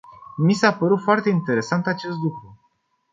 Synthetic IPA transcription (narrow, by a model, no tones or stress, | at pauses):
misapəɾut̪foart̪e̞int̪e̞ɾe̞sant̪at͡ʃe̞st̪lukɾu